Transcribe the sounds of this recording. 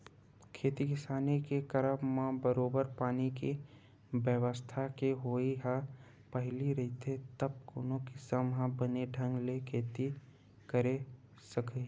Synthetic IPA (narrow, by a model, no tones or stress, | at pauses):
kʰeːt̪ikɪsaːnekekəɾəpmãbəɾoːbəɾpaːniki | ʋjəʋəst̪ʰakeɦoːiɦa | pəɦliɾɐɦit̪ʰet̪əb̚koːnõkisəmɦãbəneɖʱə̃ŋɡlekʰeːt̪i | kəɾe | sɐke